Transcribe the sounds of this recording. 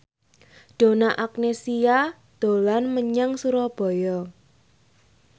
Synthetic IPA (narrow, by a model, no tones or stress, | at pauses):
ɖ̪̥o̤naʔak̚nesia | d̪̥olanməɲaŋsuɾɔb̥ɔ̤jɔ